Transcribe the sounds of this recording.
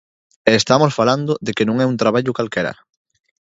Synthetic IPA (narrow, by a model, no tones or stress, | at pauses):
ɛeːst̪amosfaland̪oðekenõŋɛunt̪ɾaβaʎʊkalkɛɾɐ̰